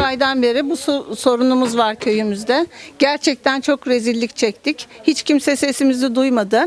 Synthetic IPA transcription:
ajd̪anbe̞ɾibusso̞ɾunumuzvaɾcʰø̞jymyzd̪ɛɟ̥æɾt͡ʃʰɛc̚t̪ʰænt͡ʃʰo̞kɾe̞zilʲːict͡ʃʰɛc̚t̪ʰichit͡ʃcʰimsɛse̞simizɛd̪ujmad̪ɯ

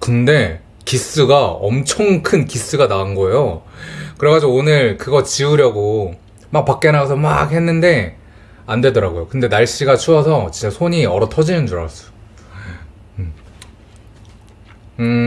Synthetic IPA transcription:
kɯnde̞ | kis͈ɯɡaʌmt͡ɕʰʌŋkʰɯnkis͈ɯɡanaɯnɡʌe̞jokɯɾeɡad͡ʑioonɯɭkɯɡʌt͡ɕiuɾjʌɡo | mak̚pak̚k͈e̞naɡasʰʌma̰ɡhe̞nːɯnde̞ | andwe̞dʌɾaɡojokɯnde̞naɭɕ͈iɡat͡ɕʰuʌsʰʌt͡ɕint͡ɕ͈asʰoɲiʌɾʌtʰʌd͡ʑimjʌnd͡ʑuɾʌas͈ʌ̥jo

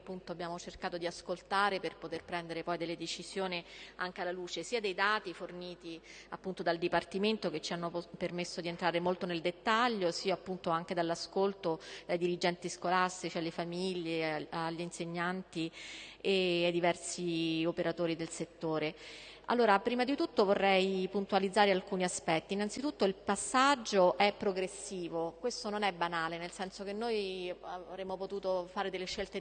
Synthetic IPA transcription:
pːunt̪oabːjaːmot͡ʃerkaːt̪od̪iaskolt̪aːɾeperpot̪erpɾɛnd̪eɾepɔjd̪elːed̪et͡ʃiz̥joːniaŋk̟ealːaluːt͡ʃesiːad̪ejd̪aːt̪iforniːt̪i | apːunt̪od̪ald̪ipart̪iment̪oket͡ʃːianːopermesːod̪ient̪ɾaːɾemolt̪oneld̪et̪ːaʎːosiːaːpːunt̪oaŋk̟ed̪alːaskolt̪od̪̥ajd̪iɾid͡ʒɛnt̪iskolast̪it͡ʃialːefamiʎːeaʎːinseɲːant̪iead̪ivɛrsiopeɾat̪oːɾid̪elset̪ːoːɾe | a̰lːoːɾapɾiːmad̪it̪ut̪ːovorːɛjpunt̪ualid̪zaːɾealkuːniaspɛt̪ːiːnant̪sit̪ut̪ːoilpasːad͡ʒːoʔɛpːɾoɡɾesːiːvokwest̪ononɛbːanaːlenelsɛnsok̟enːoːj | vɾemːopot̪uːt̪ofaːɾed̪elːeʃːelt̪e

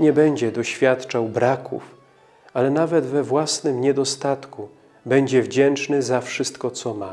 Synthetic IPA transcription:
ɲɛbɛɲd͡ʑɛd̪ɔɕfʲjat̪t͡ʂawbɾakʰṵf | alɛnavɛd̪vɛvwasnɘmɲɛd̪ɔst̪at̪ku | bɛɲd͡ʑɛvd͡ʑɛnt͡ʂnɘzafʂɘst̪kɔt̪sɔma

